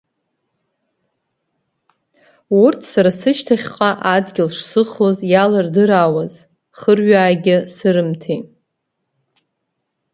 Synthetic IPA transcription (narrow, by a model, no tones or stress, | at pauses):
urtʰsaɾasɨʃtʰaχʲqʼaʔadɡʲɪlʂsɨχozjalardɨɾawaz | χərɥaːɡʲɪsɨɾɨmtʰej